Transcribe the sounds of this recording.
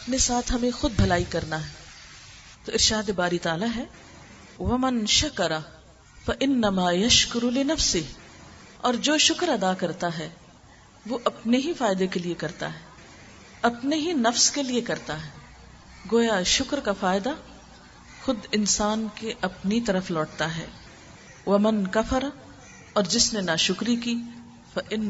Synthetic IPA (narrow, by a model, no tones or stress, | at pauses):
ɐpnesaːt̪ʰɦɐmẽxʊd̪̚bʱɐlaːikɐɾnaɦɛː | t̪oɪɾʃaːd̪ebaːɾit̪aːlaɦɛː | wɐmɐ̃nʃɐkɐɾɐ | fɐʔɪnːɐmaːjɐʃkʊɾulɪnɐfsɪɦ | ɔːɾd͡ʒoːʃʊkɾɐd̪akɐɾt̪aɦɛː | ʋoʔɐpneɦifaːɪd̪ekeliekɐɾt̪a̰ɦɛː | ɐpneɦinɐfskeliekɐɾt̪aɦɛː | ɡoːjaʃʊkɾkafaːɪd̪a | xʊd̪ɪnsaːnkeʔɐpnit̪ɐɾəflɔːʈ̚t̪aɦɛ̰ː | ʋɐmɐnkɐfɐɾa | ɔːɾd͡ʒɪsnenaʃʊkɾikiː | fɐʔɪnː